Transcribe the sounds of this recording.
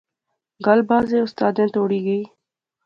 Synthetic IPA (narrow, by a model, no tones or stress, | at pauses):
ɡəlbaːzẽːʊst̪aːd̪ẽːt̪oːɽiːɡəiː